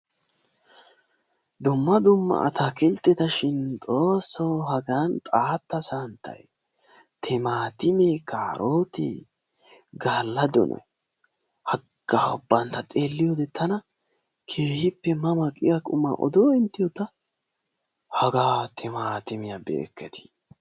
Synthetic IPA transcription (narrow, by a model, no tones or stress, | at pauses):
d̪ʊmːɐd̪ʊmːɐ̰ʔɐ̰t̪ʰaːkɛlt̪ːɛt̪ɐʃɪnt͡sʼo̞ːsːoɦɐɡant̪ʼaːt̪ːɐsant̪ʰɐ̰j | t̪ʰɛmaːt̪ɪmeːkʰaːɾʔoːt̪ḛː | ɡaːlːɐd̪ɔ̰nɔ̰j | hɐɡaːɔbːɐnt̪ɐt̪ʼeːlːɪjoːd̪ɛt̪ʰːɐnɐ | kʰeːhɪpːɛmɐmɐkʼɪjakʼʊmːa̰ʔɔ̰d̪oːɪnt̪ːɪjɔt̪ɐ | hɐɡaːt̪ʰɛmaːt̪ɪmɪjɐbḛːkːɛt̪ɪ̥